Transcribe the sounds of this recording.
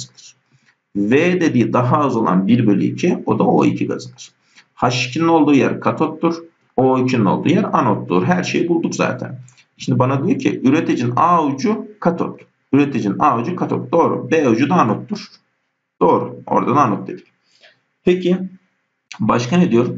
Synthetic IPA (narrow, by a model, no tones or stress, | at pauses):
zɯnɯɾ̥ | veːd̪e̞d̪iːd̪aɦaɯzo̞lˠa̰nbiɾbølʲy̰icʰio̞d̪ao̞̰ḭcʰiɡa̰zɯnɯɾ̥ | haʃi̥cʰinino̞lˠd̪uːjæ̰ɾkʰat̪ʰot̪ːuɾ | oicʰininolˠd̪ṵːjæɾanot̪ːṵɾɦæɾʃe̞̰jibulˠd̪ukza̰ːt̪ʰæ̰n | ʃimd̪ibanad̪ijoɾcʰḭʔyɾet̪ʰid͡ʒinaud͡ʒukʰat̪ʰo̰t̪ | yɾet̪ʰid͡ʒinaud͡ʒukʰat̪ʰo̰t̪̚d̪o̞ːɾṵbɛd͡ʒud̪aːnot̪ːuɾ̥ | d̪̥o̞ːɾuo̞̰ɾd̪ad̪aːnot̪̚d̪e̞d̪i̥c | pʰecʰi | baʃkʰaned̪ijo̞ɾum